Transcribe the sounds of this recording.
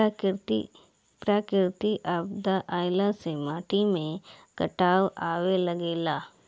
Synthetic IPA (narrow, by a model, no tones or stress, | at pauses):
pɾaːkɪɾt̪iʔaːbd̪aʔaːjlasemaːʈimẽkɐʈaːwaːwelɐɡeːlaː